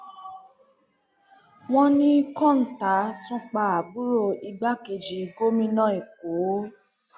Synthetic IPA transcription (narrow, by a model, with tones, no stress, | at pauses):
w̃ɔ̃˦nĩ˦kɔ̃˦˨n̩˨ta˨˦tũ˦k͡pa˧a˨bu˦ɾo˦˧i˧ɡ͡ba˦ke˧d͡ʒi˨˧ɡo˦mĩ˧nã˦i˨ko˨˦